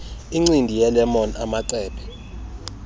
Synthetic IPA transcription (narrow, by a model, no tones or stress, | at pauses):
iŋ͡ǀindʱijɛlɛmɔna̰maǀɛːpʰɛ̥